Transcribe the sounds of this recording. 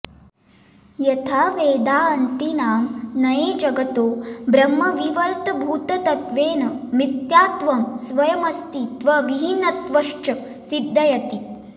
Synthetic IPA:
jɐt̪ʰaːʋeːd̪aːɐnt̪inaːmnɐjeːd͡ʒɐɡɐt̪oːbɾɐmːɐʋiʋɐlt̪ɐbʱuːt̪ɐt̪ɐt̪ʋeːnɐmit̪jaːt̪ʋɐmsʋɐjɐmɐst̪it̪ʋɐʋiɦinːɐt̪ʋɐʂt͡ʃɐ | sid̪ʱːɐjɐt̪i

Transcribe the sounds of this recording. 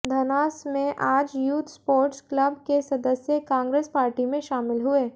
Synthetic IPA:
d̪ʱɐnaːsmẽʔaːd͡ʒjuːt̪ʰspoːɾʈsklɐbkesɐd̪əsjekãːŋɡɾeːspaːɾʈimẽʃaːmɪlɦʊeː

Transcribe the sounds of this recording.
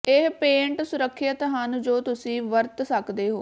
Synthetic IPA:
ɪɦpẽːɳʈsʊɾəkʰːət̪ɦənd͡ʒoːt̪ʊsĩːʋəɾt̪səkd̪eːɦo̰ː

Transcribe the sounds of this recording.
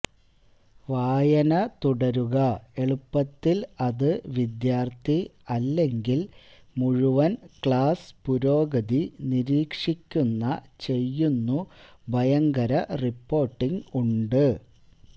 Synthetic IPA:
ʋaːjɐnɐt̪uɽɐɾuɣɐe̞ɭupːɐt̪ːilɐðɨʋid̪jaːrt̪ʰiɐlːe̞ŋɡil | muɻuʋɐnkɭaːspuɾo̞ːɡɐðiniɾiːkʂikʲːunːɐt͡ɕe̞jːunːubʱɐjɐŋɡɐɾɐripːo̞ːrʈːiŋuɳɖɨ

